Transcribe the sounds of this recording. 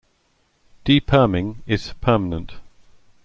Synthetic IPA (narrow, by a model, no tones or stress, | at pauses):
d̥ɪpʰɜːmɪ̃ŋɪz̥pʰɜːmənə̃nt